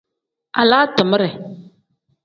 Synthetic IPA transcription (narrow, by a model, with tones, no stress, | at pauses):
a̰˨laː˦tə˨mə˦ɾɛ˨